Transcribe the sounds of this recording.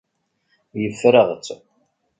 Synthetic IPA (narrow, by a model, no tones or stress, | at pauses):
jəfɾəʁt͡sː